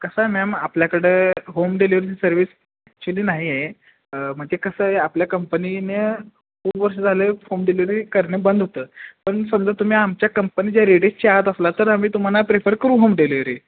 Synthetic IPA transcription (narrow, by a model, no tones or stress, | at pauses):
kəsamɛmapljakəɽeɦomɖeliʋəɾiisəɾʋiːs | ak̚t͡ɕuliːnaɦie | m̤ət̪ekəsəːɦeapljakəmpənine | hoʋəɾʂəd͡zʱalehomɖeliʋɾikəɾɳebənd̪ʱɦot̪əːpəɳsəmd͡zət̪um̤iːamt͡ɕjakəmpəniːd͡ʑjaɾeɽest͡ɕiaɦət̪əslat̪əɾam̤iːt̪um̤alapɾefəɾkəɾũːɦomɖeliʋɾiː